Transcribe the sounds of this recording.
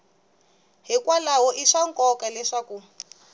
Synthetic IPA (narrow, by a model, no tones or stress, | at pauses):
ɦikwalaɦɔʔiʂaŋkɔkalɛʂaku